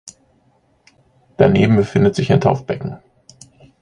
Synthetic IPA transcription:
d̥aneːbm̩bəfɪndətz̥ɪçaɪntʰaʊfb̥ɛkŋ̩

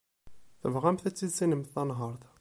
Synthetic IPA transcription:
θəvʁæmθæt͡sːizinəmθːɑnɦəɾˤθ

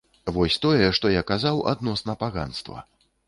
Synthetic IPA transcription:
vɔsʲt̪ɔjɛʂt̪ɔjakazawa̰d̪nɔsnɐpaɣa̰nst̪vɐ̰

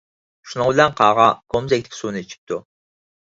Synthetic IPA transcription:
ʃunɨŋbɪlɛnqʰɑːʁɑkʰomzɛk̚ʲt̪ɪ̥kʲsunɨit͡ʃʰi̥p̚t̪ʰu

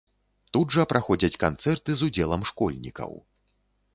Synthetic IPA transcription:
t̪udʐɐpɾʔaxɔd͡zʲɐt͡sʲkant̪sɛrt̪ɨzud͡zʲɛlˠɐmʂkɔlʲnʲḭkɐ̰w

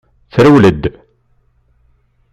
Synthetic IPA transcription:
θɾəwləd̪

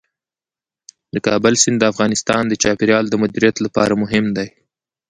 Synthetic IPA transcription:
d̪əkɑbəlsɪnd̪d̪əafɣɑnɪst̪ɑnd̪ət͡ʃɑpɪɾjɑld̪əmʊd̪iɾijat̪lapɑ̰ɾamʊɦɪmd̪aj

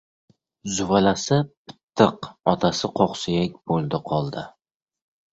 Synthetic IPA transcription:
zʊvalasɪpɪ̥t̪ʰːɨqɒt̪ʰasɪqʰoqsɪjakʲbolˠd̪ɪqʰɒlˠd̪ɪ

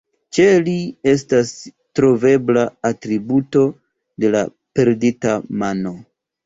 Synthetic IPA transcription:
t͡ʃe̞lie̞s̬tas | tɾo̞ve̞blaːtɾibuto̞ | de̞la̰ | pe̞ɾditamano̞

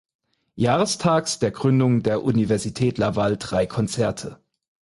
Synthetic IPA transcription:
jaːʁəstʰaːksd̥eːɐɡʁʏndʊŋdeːɐʔunivɛɐzitʰɛːtlavald̥ʁaɪkʰɔnt͡sɛɐtʰə

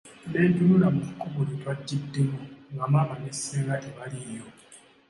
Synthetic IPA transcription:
deːɲɟululamucukuβulitwadːidːemuŋɡamaβaneseːŋɡaʔeβaliɾjo

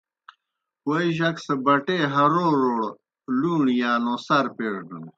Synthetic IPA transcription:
oiʑɐksɐbɐʈeːɦɐɾoːɾoːɽ | luːɳjaːnoːsɐɾpeːɽɖun

